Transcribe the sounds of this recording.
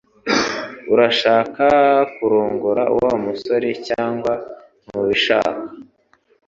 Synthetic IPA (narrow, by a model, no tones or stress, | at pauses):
uɾaʃaːkakuɾuːŋɡuɾaʔṵwamuso̞ɾecaːŋɡwa | muβiʃa̰ːkḁ